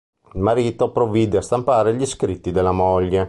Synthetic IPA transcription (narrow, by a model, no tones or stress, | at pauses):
ilmaɾiːt̪opɾoviːd̪east̪ampaːɾeʎiskɾit̪ːid̪elːamoʎːe